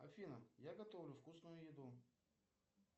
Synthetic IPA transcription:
ɐ̰fʲinəjaɡɐt̪ovlʲʊfkusnʊjʊjɪd̪u

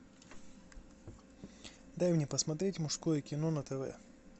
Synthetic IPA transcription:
d̪ajmnʲepəsmɐt̪ɾʲetʲmʊʂskojəkʲɪnonət̪ɛvɛ̰

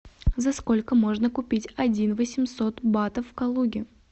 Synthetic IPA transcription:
zɐsko̞lʲkəmo̞ʐnəkʊpʲitʲɐdʲinvəsʲɪmso̞t̪bat̪əfːkɐlˠuɡʲɪ

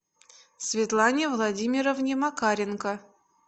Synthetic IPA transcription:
sʲvʲɪt̪lˠanʲevlˠadʲimʲɪɾəvnʲemakaɾʲɪnkə

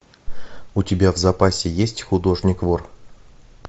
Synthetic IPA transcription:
ʊtʲɪbʲavzɐpasʲɪjesʲtʲxʊd̪o̞ʐnʲɪkvor

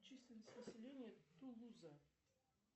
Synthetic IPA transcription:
t͡ɕisʲlʲɪnːəsʲt̪ʲnəsʲɪlʲenʲɪjət̪ulˠuzɐ

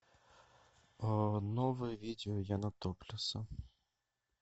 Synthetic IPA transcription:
nɔʋɪʋʲid̪ʲeɔjanɐt̪ɔplʲʊsɐ

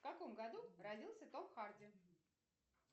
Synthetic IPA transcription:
kɐko̞mɡɐd̪urɐdʲilˠsʲət̪opxardʲɪ

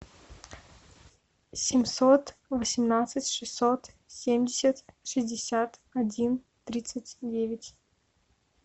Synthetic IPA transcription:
sʲɪmʲsot̪vəsʲɪmnat̪sɨtʲʂɨsːot̪ | sʲemʲdʲɪsʲət̪ʂɨzʲdʲɪsʲat̪ɐdʲin | t̪ɾʲit̪sɨtʲdʲevʲɪtʲ

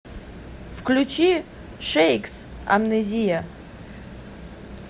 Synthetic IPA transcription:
vklʲut͡ʃʰi | ʂejks | a̰mnezʲija

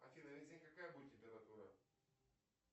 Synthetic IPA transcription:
ɐ̰fʲilɐvʲezʲɪnʲkɐkajəbudʲɪt̪̚ːʲɪmʲpʲɪɾɐt̪uɾə̰

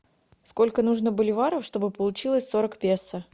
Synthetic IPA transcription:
sko̞lʲkənuʐnəbəlʲɪvaɾəfʂt̪o̞bɨpəlˠʊt͡ɕilˠəsʲso̞ɾəkpʲesːə

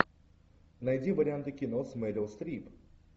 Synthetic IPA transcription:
nɐjdʲivɐɾʲɪant̪ɨkʲinosmɛd̪ʲɛlˠst̪ɾʲip

